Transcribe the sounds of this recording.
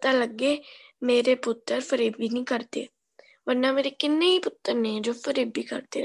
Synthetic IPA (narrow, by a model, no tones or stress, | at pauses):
t̪ãːləɡeː | meːɾeːpʊt̪ːəɾpʰəɾeːbiːnĩːkəɾt̪ḛː | ʋəɾnãːmeːɾeːkɪnːeːiːpʊt̪ːəɾnẽːd͡ʒoːpʰəɾeːbiːkə̰ɾd̪eː